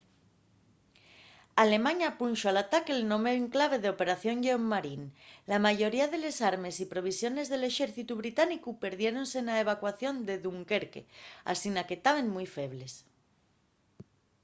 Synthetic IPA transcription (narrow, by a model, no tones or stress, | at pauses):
ale̞mãɲapunʃoalat̪akelno̞meeŋklaβ̞e̞ð̞eo̞pe̞ɾaθjo̞ŋʎeomːaɾinlamaʝo̞ɾiaðe̞le̞saɾme̞sipɾo̞β̞isjo̞ne̞zðe̞le̞ʃeɾθit̪uβ̞ɾit̪anikupe̞ɾðje̞ɾo̞nse̞naeβ̞akwaθjo̞nd̪e̞ðuŋkeɾkḛa̰sinaket̪aβe̞nmujfe̞βle̞s